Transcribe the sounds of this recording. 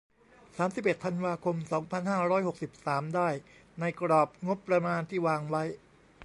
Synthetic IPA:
saː˩˦msi˨˩p̚ʔe˨˩t̪ʰa˧nwaː˧kʰo˧msɔː˩˦ŋpʰa˧nhaː˥˩ɾɔː˦˥jho˨˩k̚si˨˩p̚saː˩˦mdaː˥˩jna˧jkɾɔː˨˩p̚ŋo˦˥pːɾa˧maː˧nt̪ʰiː˥˩waː˧ŋwa˦˥j

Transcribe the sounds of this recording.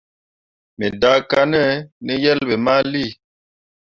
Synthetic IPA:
me˨da˦ka˦nɛ˦ni˦jɛ˦lbe˨ma˦li˦˨

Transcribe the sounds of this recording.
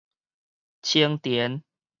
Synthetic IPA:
t͡ɕʰi˦əŋt̪jɛ˨˦n

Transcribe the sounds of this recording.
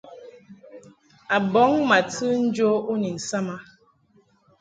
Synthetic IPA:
a˨bɔ˨˦ŋma˨tɨ˦n̩˦d͡ʒo˦u˦ni˨n̩˨sa˦ma˦

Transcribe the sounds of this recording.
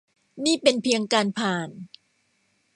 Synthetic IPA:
niː˥˩pe˧npʰi˧əŋkaː˧npʰaː˨˩n

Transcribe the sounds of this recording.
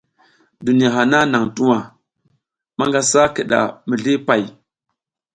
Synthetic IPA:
du˨ni˨ja˨ɦa˨na˦na˨ŋtu˦wa˨ | ma˦ŋɡa˦sa˦kə˨ɗa̰˨mə˨ɮi˦pa˨j

